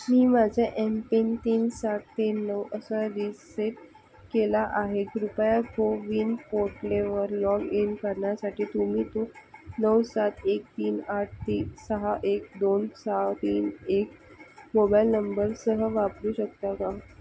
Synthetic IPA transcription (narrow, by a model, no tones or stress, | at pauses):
miːmad͡ʑʱaʔempint̪iːnsaʈ̚ʰt̪enːəwəsadiseʈ | kelaʔaɦeɡɾupjaɡoʋiːnpoɾʈleʋəɾlɔɡinkəɾɳjasaʈʰiːt̪umiːt̪onəwsat̪ʰek̚t̪iːnaʈ̚ʰt̪iːsəɦaʔek̚d̪onsəɦat̪iːnekmobajlnəmbəɾsəɦəʋapɾuːɕək̚t̪akaɦ